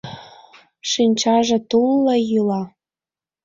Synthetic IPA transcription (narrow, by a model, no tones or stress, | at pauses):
ʃinʲt͡ɕɑʒĕt̪ulːəjylɑ